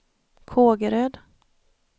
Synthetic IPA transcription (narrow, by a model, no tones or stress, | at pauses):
kʰoːɡəɾøːd̪